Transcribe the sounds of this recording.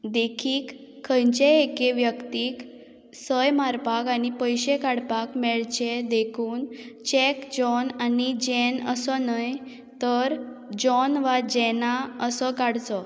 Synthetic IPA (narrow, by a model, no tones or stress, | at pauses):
d̪ekʰiːkʰːə̃jt͡ɕeekeʋjəkt̪iːk | səjmaɾpakanipəjɕekaɽpakmɛɭt͡ɕed̪ekʰuːnt͡ɕɛkd͡ʑɔnanid͡ʑɛnəsɔnəj | t̪əɾd͡ʑɔnʋad͡ʑɛnaəsɔkaɽt͡sɔ